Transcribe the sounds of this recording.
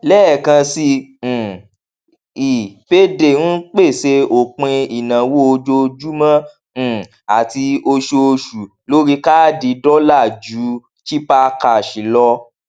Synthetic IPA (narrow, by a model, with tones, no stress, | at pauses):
lɛː˦˨kã˧sĩ˧˨ | i˨pe˦de˨n̩˦k͡pe˦˨se˧o˨k͡pẽ˧i˨nã˨wo˦o˧d͡ʒo˧d͡ʒu˦mã˦˨ | a˨ti˧o˧ʃo˧ʃu˨ | lo˦ɾi˧ka˦˨di˧dɔ˦la˦˨d͡ʒu˨˦ | ʃi˦pa˦˧ka˧˨ʃi˨˦lɔ˧